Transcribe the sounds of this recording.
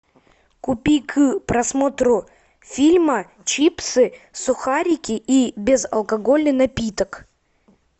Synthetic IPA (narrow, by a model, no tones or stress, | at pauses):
kʊpʲikʰɨpɾɐsmot̪ɾʊ | fʲilʲmə | t͡ɕipsɨsʊxaɾʲɪkʲɪʔibʲɪzɐ̰lˠkɐɡolʲnɨnɐpʲit̪ək